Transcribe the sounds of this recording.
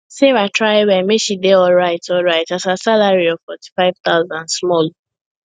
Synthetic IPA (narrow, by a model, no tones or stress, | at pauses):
sevatɹaɪwɛ̃nmeʃideɔlɹaɪtɔlɹaɪtasasalaɹiɔvfɔti̥faɪv̥t̪aʊzãnsmɔl